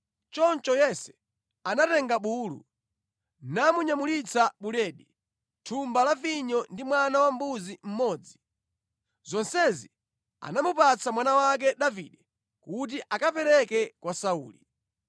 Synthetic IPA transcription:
t͡ʃɔnt͡ʃɔjɛsɛ̥ | anatɛŋɡaɓuːlṵ | namuɲamulit͡saɓulɛɗi | tʰumbalaviɲɔndimwanawambuzim̩mɔːd͡zi | zɔnsɛzi | a̰namupat͡samwanawak̬ɛɗavḭɗɛ | kut̬iʔakapɛɾɛkɛkwasauːli

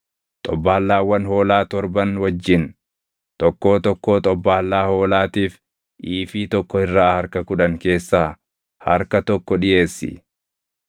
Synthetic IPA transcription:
t̪ʼɔbːaːlːaːwɐnho̞ːlaːt̪ɔɾbɐnwɐd͡ʒːɪn | t̪ʼɔkːo̞ːt̪ɔkːo̞ːt̪ʼɔbːaːlːaːho̞ːlaːt̪iːf | ʔiːfiːt̪ɔkːɔɪrːaːhɐɾkɐkʊᶑɐŋke̞ːsːaː | hɐɾkɐt̪ɔkːɔᶑɪʔe̞ːsːɪ̰

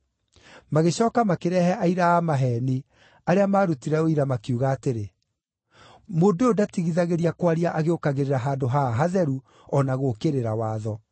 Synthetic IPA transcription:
maɣeɕɔːkamakeɾɛhɛʔaiɾaamaɦɛni | aɾeamaːɾutiɾɛoiɾamakjuːɣaːteɾe | moːdoodatiɣiðaɣeɾiakwaɾiaʔaɣeokaɣeɾeɾaɦaːdoɦaɦaðɛɾu | ɔnaɣokeɾeɾawaːðɔ

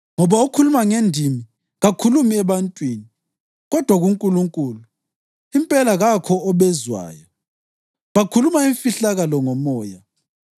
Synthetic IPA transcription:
ŋɔβaukʰulumaŋendʱimi | ɣakʰulumiɛβantʼwiːni | ɣɔd̥ʱwaɣuŋkʼuluŋkʼuːlu | impʼɛlaɣakʰɔːβɛzwa̰ːjɔ | βakʰulumaiɱfiɬaɣalɔŋɔmɔːja

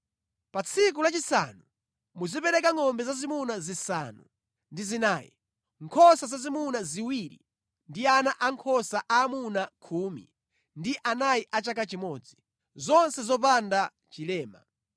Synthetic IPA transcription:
pat͡sʰik̬ulat͡ʃisa̰nu | muzipɛɾɛkaŋɔmbɛzazimunazisa̰nṵ | ndizinaːjḭ | ŋkʰɔsazazimunaziwiɾḭ | ndianaʔaŋkʰɔsaʔaːmunakʰuːmḭ | ndiʔanajiʔat͡ʃakat͡ʃimɔːd͡zi | zɔnsɛzɔp̬anda | t͡ʃilɛːma̰

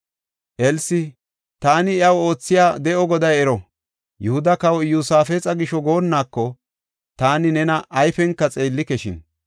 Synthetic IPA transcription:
ʔɛlsɪ | t̪aːnɪɪɐwo̞ːt͡sːɪjaːd̪ɛʔɔɡɔd̪ɐjɛɾɔ | jʊhʊd̪ɐkɐwɔjuːsaːfeːt͡sʼɐɡɪʃɔɡo̞ːnːaːkːɔ | t̪aːnɪnɛnɐʔːjfɛŋkːɐt͡sʼe̞ːlːɪkɛʃɪ̰n

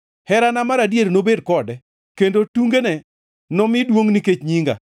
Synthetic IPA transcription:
hɛɾanamaɾadjeɾnobedkɔdɛ | kendotuŋɡenɛ | nɔmɪdwoŋniket͡ʃɲiŋɡa̰

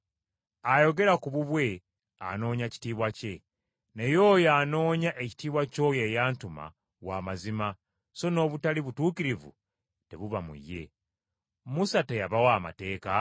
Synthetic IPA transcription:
ajo̞ɡe̞ɾakuβuβwe̞ | a̰no̞ːɲaci̥tiːβwace̞ | nejo̞ːjaːno̞ːɲaʔeci̥tiːβwaco̞ːje̞jaːntuma̰ | waːmazima | so̞no̞ːβutaliβutuːkiɾivṵ | te̞βuβamṵjːe̞̰ | musatejaβawaːma̰te̞ːka

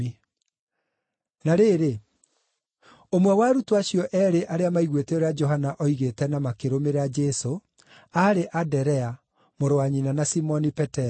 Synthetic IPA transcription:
i | naɾeːɾe | omwɛwaɾutoaɕiɔʔɛːɾeʔaɾeamaiɣweteoɾead͡ʒɔɦanaʔɔiɣetɛnamakeɾomeɾad͡ʒɛso | aɾeʔadɛɾɛa | moɾowaɲinanasimɔnipɛtɛ

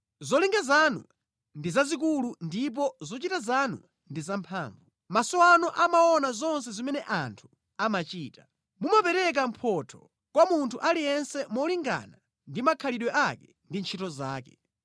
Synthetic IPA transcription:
zɔliŋɡazanṵ | ndizazik̬ulundip̬ɔzɔt͡ʃitazanṵ | ndizampʰaːɱvu | masɔwanɔʔamaɔnazɔns̬ɛzimɛnɛʔantʰu̥ | amat͡ʃiːtḁ | mumapɛɾɛk̬am̩pʰɔtʰɔ̥ | kwamuntʰuʔalijɛnsɛmɔliŋɡa̰na | ndimakʰaliɗwɛʔakɛ | ndint͡ʃʰitɔzaːkɛ

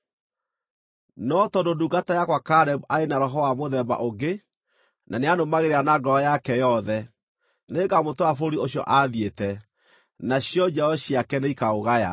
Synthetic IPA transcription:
nɔtɔndoduɡatajakwakaɾɛmaenaɾɔɦɔwamoðɛmba̰ʔoɡe | nʔaneanomaɣeɾeɾanaɡɔɔjakɛjɔðɛ | neɡamotoafoɾioɕjɔ̰ʔaðietɛ | naɕjɔd͡ʑɛɔɕiakɛneikaoɣaja̰

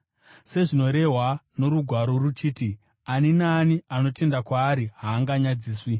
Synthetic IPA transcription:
se̞ʐino̞ɾe̞ɦwano̞ɾuɡʱwaɾo̞rut͡ʃiːti | aninaːniano̞te̞ndakwaːɾiɦaːŋɡaɲad͡ziːswi

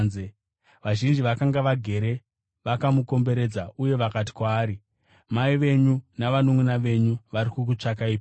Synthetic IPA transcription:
ze | ʋaʒind͡ʒiʋakaŋɡaʋaɡʱe̞ɾe̞ | ʋakamuko̞mbe̞ɾe̞d͡zaʔuje̞ʋakat̬i̥kwaːɾi | maiʋe̞ɲunaʋanomunaʋe̞ɲuʋaɾikukut͡ʂakaiːpa

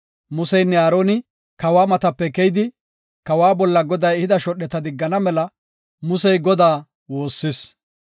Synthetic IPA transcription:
mʊsɛjnːɛaːɾoːnɪ | kɐwaːmɐt̪ɐpːɛkɛjd̪ɪ | kɐwaːbɔlːɐɡɔd̪ɐjhɪd̪ɐʃɔɗːɛt̪ɐd̪ɪɡːɐnɐmɛlɐ | mʊsɛjɡɔd̪aː | wo̞ːsːɪs

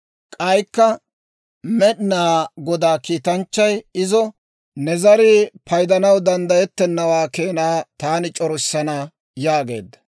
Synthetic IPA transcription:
kʼɐjkːɐ | mɛɗnaːɡɔd̪aːkiːt̪ɐnt͡ʃːɐjɪzɔ | nɛzɐɾɪpʰɐjd̪ɐnɐwd̪ɐnd̪ɐjɛt̪ːɛnːɐwaːkeːnaːt̪aːnɪt͡ʃʼɔɾʊsːɐna | jaːɡe̞̰ːd̪ːɐ̥

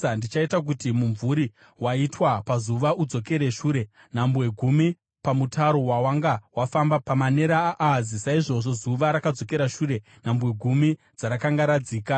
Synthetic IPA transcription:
ndit͡ʃaitak̬utimuɱvuɾi | waitwapazuʋaʔud͡zo̞ke̞ɾe̞ʃuːɾe̞ | n̤ambwe̞ɡʱumi | pamutʰaɾo̞wawaŋɡawafambapamane̞ɾaːʔːzisaiʐo̞ʐo̞zuʋaɾakad͡zo̞ke̞ɾaʃuːɾe̞ | nambwe̞ɡʱumi | d͡zaɾakaŋɡaɾad͡ziːka

